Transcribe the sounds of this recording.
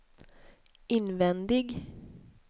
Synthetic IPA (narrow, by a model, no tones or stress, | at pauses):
ɪnʋɛnd̪ɪɡ